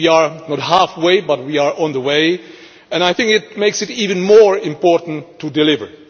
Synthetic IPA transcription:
iəɹnɔthæfweɪbʌt̚wiəɹʔɔ̃nðəweɪ | ɛ̃naɪθɪ̃ŋkɪt̚meɪksɨtivɨ̃nmɔɹɪ̃mpɔɹtn̩tʰːudɪlɪvə̰˞

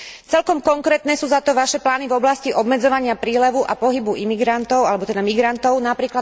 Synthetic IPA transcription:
t͡sɛlkɔmkɔŋkɾɛːt̪nɛːsuːzat̪ɔʋaʃɛplaːnivɔblasciʔɔbmɛd͡zɔʋaɲɪapɾiːlɛʋuʔapɔɦibuimiɡɾant̪ɔʊalɛbɔt̪ɛd̪amiɡɾant̪ɔʊnapɾiːkla

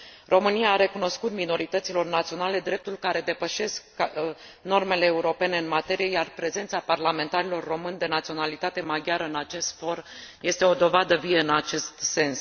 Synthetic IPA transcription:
rʔo̞mɨnijaːɾe̞kuno̞skut̪mino̞ɾit̪ət̪silo̞rnat̪sio̞nale̞d̪ɾe̞p̚t̪ulkaɾe̞d̪e̞pəʃe̞sk | no̞rme̞le̞ːuɾo̞pe̞ne̞ɨnmat̪e̞ɾije̞jarpɾe̞ze̞nt̪saparlame̞nt̪aɾilo̞rːo̞mɨnd̪e̞nat̪sio̞nalit̪at̪e̞maɡʲjaɾəɨnat͡ʃe̞st̪fo̞rje̞st̪e̞o̞d̪o̞vad̪əvijeɨnat͡ʃe̞st̪se̞ns

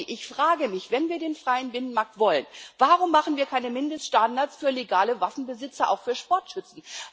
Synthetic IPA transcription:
ʔɪçfʁ̥aːɡəmɪçv̥ɛnviːɐdeːnfʁ̥aɪənbɪnənmaɐk̚tv̥ɔlənvaʁʊmːaχn̩viːɐkʰaɪnəmɪndəstʃtandaɐt͡sfyːɐleɡaːləvafn̩bəzɪt͡sɐʔa̰ʊxfyːɐʃpɔɐtʃʏt͡sn̩

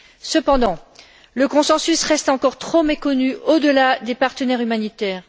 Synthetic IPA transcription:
səpɑ̃d̪ɑ̃ | ləkɔ̃sɑ̃sysʁɛst̪ɑ̃kɔʁt̪χomekɔnyod̪əlad̪epaʁt̪ənɛʁymanit̪ɛːʁ

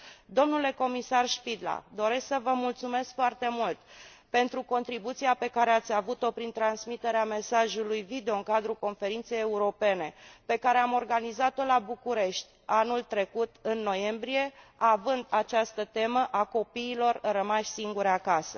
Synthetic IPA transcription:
d̪o̞mnule̞ko̞misarʃpid̪la̰d̪o̞ɾe̞sksəvəmult̪sume̞skfoart̪e̞mult̪ | pe̞nt̪ɾuko̞nt̪ɾibut̪siape̞kaɾe̞at̪sʲavut̪o̞pɾint̪ɾansmit̪e̞ɾeame̞saʒulujvid̪eo̞ɨŋkad̪ɾuko̞nfe̞ɾint̪sejeuɾo̞pe̞ne̞pe̞kaɾe̞amo̞rɡanizat̪o̞labukuɾe̞ʃt̪ʲanult̪ɾe̞kut̪ɨnːo̞je̞mbɾie̞avɨnd̪at͡ʃast̪ət̪e̞məʔako̞piːlo̞rɨrəmaʃʲsiŋɡuɾeakasə

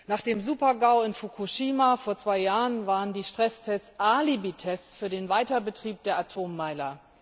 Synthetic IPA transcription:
naːχd̥eːmzuːpɐɡaʊɪnfukʰuʃiːmafoːɐt͡sv̥aɪjaːʁənvaːʁəndiːʃtʁ̥ɛstʰɛt͡sʔaːlibitʰɛst͡sfyːɐdeːnvaɪtɐbətʁ̥iːp̚d̥eːɐʔatʰoːmːaɪlɐ

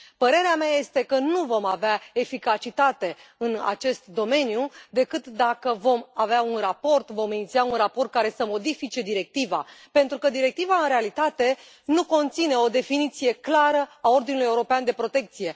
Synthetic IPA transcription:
pəɾe̞ɾeameaje̞st̪e̞kənuvo̞maveae̞fikat͡ʃit̪at̪e̞ɨna̰t͡ʃe̞st̪d̪o̞me̞njud̪e̞kɨt̪d̪akəvo̞maveaunrapo̞rt̪vo̞minit̪siaunrapo̞rt̪̚kaɾe̞səmo̞d̪ifit͡ʃe̞d̪iɾe̞k̚t̪iva̰pe̞nt̪ɾukəd̪iɾe̞k̚t̪ivaɨnɾe̞alit̪at̪e̞ | nuko̞nt̪sine̞o̞d̪e̞finit̪sije̞klaɾəao̞rd̪inuluje̞uɾo̞peand̪e̞pɾo̞t̪e̞k̚t̪sije̞

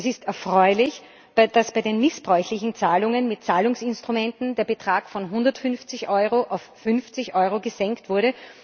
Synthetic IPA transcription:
ɛsɪstɛɐfʁ̥ɔʏlɪç | b̥d̥asb̥aɪdeːnmɪsb̥ʁɔʏçlɪçn̩t͡saːlʊŋənmɪt̚t͡saːlʊŋsɪnstʁ̥ʊmɛntn̩deːɐbətʁ̥aːkfɔnɦʊndɐtfʏnft͡sɪçʔɔʏʁoʔaʊfːʏnft͡sɪçʔɔʏʁoɡəzɛŋktv̥ʊɐɾə

